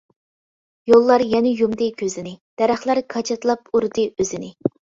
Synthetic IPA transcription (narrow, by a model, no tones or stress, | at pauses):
jolˠːɑɾjɛnɪjumd̪ɨkʲʰøzɪnɪd̪̥ɛɾæχlˠɑɾkʰɑt͡ʃʰɑt̪ʰlˠɑpuɾd̪ɨøzɪnɪ